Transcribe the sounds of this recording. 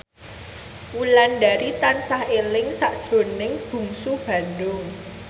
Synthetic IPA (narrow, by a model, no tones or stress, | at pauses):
wulanɖaɾit̪ansahelɪŋsaʔd̥ʒ̥ɾo̤nɪŋb̥ṳŋsub̥ä̤nɖʊŋ